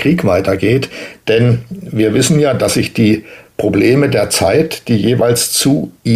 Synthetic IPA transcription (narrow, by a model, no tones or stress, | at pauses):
ʁ̥iːkv̥aɪtɐɡeːtd̥ɛnviːɐvɪsn̩jaːd̥asz̥ɪçd̥iːpʁ̥obleːmədeːɐt͡saɪtd̥iːjeːva̰ɪlst͡sui